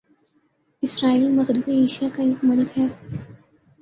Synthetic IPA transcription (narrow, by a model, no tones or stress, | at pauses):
ɪsɾaːiːlmɐɣɾɪbieːʃijakaeːkmʊlkɦɛː